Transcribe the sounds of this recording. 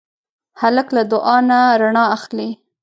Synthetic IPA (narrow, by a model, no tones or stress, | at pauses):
haləklad̪ʊʔɑnaɾaɳɑaxli